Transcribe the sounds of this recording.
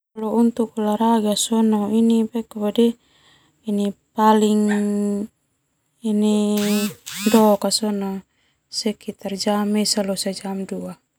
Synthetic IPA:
alɔunt̪ukulaɾaɡasɔnɔinipɛkabadi | inipaliŋ | ini | dɔkasɔnɔ | sɛkit̪ard͡ʒamɛsalɔsad͡ʒamdua

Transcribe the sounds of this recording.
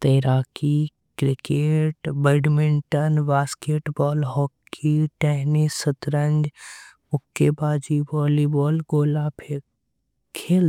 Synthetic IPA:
t̪ɐɾaːki | kɾɪkeːʈbəɖmɪɳʈənbaːskeːʈbɔːlɦɔːkːiʈɛɦnisət̪ɾəɲd͡ʒ | ʊkːebaːd͡ʒibɔːlibɔːlɡoːlapʰe | kʰeːl

